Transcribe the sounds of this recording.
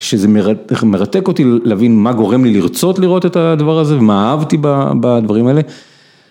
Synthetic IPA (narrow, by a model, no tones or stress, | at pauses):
ʃezemeʁame̞ʁat̪eko̞t̪ilavinmaɡo̞ʁe̞mliliʁt͡so̞t̪liʁo̞t̪e̞t̪ad̪avaʁaze̞vemaːavt̪ibabad̪vaʁimaele̞